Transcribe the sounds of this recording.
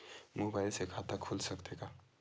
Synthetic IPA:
mubajlsekʰat̪akʰulsəkt̪eka

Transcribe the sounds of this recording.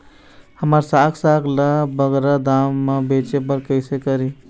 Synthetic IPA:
həməɾsaksakʰlabəɡɾad̪amːebet͡ʃep̬əɾkəɪsekəɾi

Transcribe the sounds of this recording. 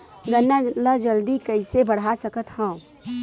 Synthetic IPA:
ɡənːalad͡ʒəld̪ikəɪsebəɽ̤asəkət̪hə̃

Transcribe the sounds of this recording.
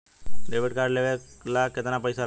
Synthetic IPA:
leʋeʈkaɾɖleʋe | laket̪ənapəjsa

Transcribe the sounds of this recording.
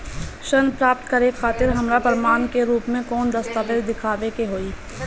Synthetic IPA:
ʃɐnpɾaːp̚t̪kɐɾexaːt̪ɪɾɦɐmɾapɐɾmaːnkeɾuːpmẽkɔːnd̪ɐst̪aːʋeːd̪d̪ɪkʰaːʋekeɦoːiː

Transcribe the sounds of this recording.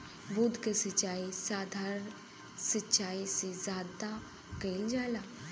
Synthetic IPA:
bʱud̪ɡəsət͡ɕaisad̪ʱaɾən | sətːɕaisezad̪a | kəild͡ʑala

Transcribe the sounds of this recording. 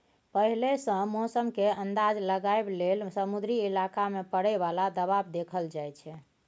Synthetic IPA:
pəɦilesə̃mɔsəmkeənd̪ad͡ʒləɡaeblelsəmud̪ɾiilakamepəɽɛβalad̪əβabd̪ekʰəld͡ʒajt͡ʃʰɛ

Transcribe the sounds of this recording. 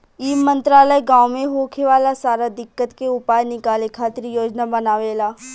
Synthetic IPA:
iːmə̃nt̪ɾaːləjɡãːʊmẽɦoːkʰeʋaːlasaːɾad̪ɪkːət̪keʊpaːjnɪkaːlekʰaːt̪ɪɾijoːd͡ʒnabɐnaːʋeːlaː

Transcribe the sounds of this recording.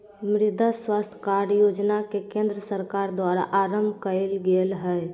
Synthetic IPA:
mɾɪd̪ʱaswast̪ʰə̥kaɾjod͡ʒnakekẽnd̪ɾəsəɾkaɾd̪waɾa̰ʔaɾəmbʱkəɪlɡelɦəj

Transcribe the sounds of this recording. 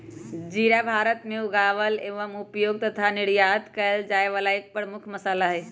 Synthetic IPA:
d͡ʒiɾabʱaɾət̪meuɡaʋəleʋəmupjoɡ̚t̪ət̪ʰaniɾjad̪kəeld͡ʒaeʋalaek̚pəɾmukʰməsalaɦɛ

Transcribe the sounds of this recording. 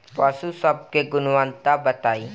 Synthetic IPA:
pasusɐb̚keɡʊnwant̪abət̪aːi

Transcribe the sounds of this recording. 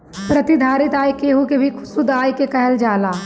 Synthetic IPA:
pɾɐt̪id̪ʱaːɾɪt̪aːjkeːɦukebʱikʰʊ̥sud̪aːjkekɐɦəld͡ʒaːlaː

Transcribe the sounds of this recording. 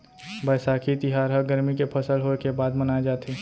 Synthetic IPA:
bəːsakʰit̪ɪɦaːɾɦəɡəɾmikepʰəsəlɦokebaːd̪mənaːed͡ʒaːt̪ʰi

